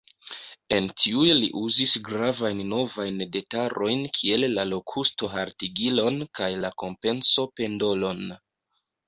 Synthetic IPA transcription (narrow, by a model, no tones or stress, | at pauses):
e̞ntʰiujlḭʔuzisɡɾavajnːo̞vajnde̞taɾʔo̞jnkʰie̞lːalo̞kʰusto̞ɦaɾtiɡilo̞nkajlako̞mpe̞nso̞pe̞ndo̞lo̞n